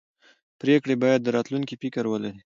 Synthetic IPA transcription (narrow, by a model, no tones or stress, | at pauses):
pɾekɽebɑjad̪ːəɾɑt̪luŋkipikaɾwəlaɾi